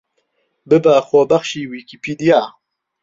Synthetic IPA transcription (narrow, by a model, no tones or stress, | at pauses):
bebaxobaxʃiwikipʰid̪ija